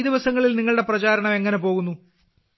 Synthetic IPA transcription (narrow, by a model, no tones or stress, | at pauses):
d̪iʋɐsɐŋːɐɭilniŋːɐɭɨɽe̞prɐt͡ɕaːɾɐɳɐme̞ŋːɐne̞po̞ːɣunːu